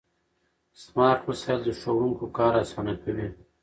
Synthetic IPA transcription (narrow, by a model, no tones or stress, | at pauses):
smɑːɾʈhosald̪əʂoɾuŋkokɑːɾasaːnakɐwe